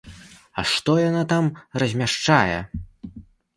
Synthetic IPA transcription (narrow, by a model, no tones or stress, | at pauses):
ɐ̰ʂt̪ɔjanat̪amrɐzʲmʲaʂt͡ʂajɛ̰